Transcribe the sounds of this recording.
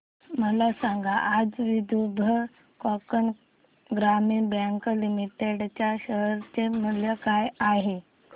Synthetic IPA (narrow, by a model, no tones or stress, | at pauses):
məlasaŋɡaʔad͡zʋid̪ubʱə | kɔkən | ɡɾamiːnbɛŋklimiʈeɽt͡ɕjaɕəɦəɾt͡semuljəkajaɦe